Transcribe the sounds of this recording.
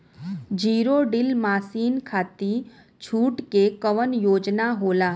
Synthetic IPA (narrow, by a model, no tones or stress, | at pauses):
d͡ʒiːɾoɖɪlmaːsiːnkʰaːt̪i | t͡ʃʰuːʈkekəʋənjoːd͡ʒnaɦoːlaː